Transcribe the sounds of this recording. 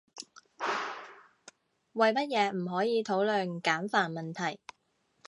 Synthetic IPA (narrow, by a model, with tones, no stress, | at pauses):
wɐ˨jmɐ˥t̚jɛː˨˧m̩˨˩ɦɔː˨˥jiː˨˧t̪ʰo˨˥wlœː˨nkaː˨˥nfaː˨˩nmɐ˨nt̪ʰɐ˨˩j